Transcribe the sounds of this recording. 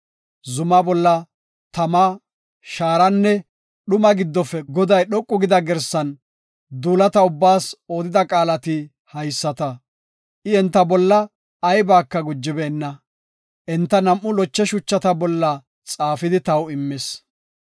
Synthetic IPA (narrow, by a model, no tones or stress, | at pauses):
zʊmɐbɔlːɐ | t̪ɐmɐ | ʃaːɾɐnːɛ | ɗʊmɐɡɪd̪ːɔfɛɡɔd̪ɐjɗɔkʼːʊɡɪd̪ɐɡɛɾsɐn | d̪uːlɐt̪ɐʊbːaːso̞ːd̪ɪd̪ɐkʼaːlɐt̪ɪ | hɐjsːɐt̪ɐ | ʔɪɛnt̪ːɐbɔlːɐː | jbaːkːɐɡʊd͡ʒːɪbeːnːɐ | ʔɛnt̪ːɐnɐmʔʊlɔt͡ʃːɛʃʊt͡ʃːɐt̪ɐbɔlːɐ | t͡sʼaːfɪd̪ɪt̪ɐwɪmːɪs